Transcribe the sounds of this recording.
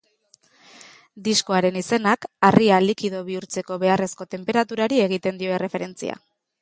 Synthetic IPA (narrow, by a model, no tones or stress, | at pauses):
d̪iskoaɾe̞nise̞nakarialikið̞o̞βiuɾt͡se̞ko̞βe̞are̞sko̞t̪e̞mpe̞ɾat̪uɾaɾie̞ɣ̞it̪e̞nd̪io̞e̞re̞fe̞ɾe̞nt͡sḭa̰